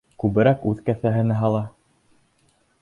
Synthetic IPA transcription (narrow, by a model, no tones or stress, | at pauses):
kʉβɘ̆ɾækʉðkæθæɦɘ̆næɦɑlˠɑ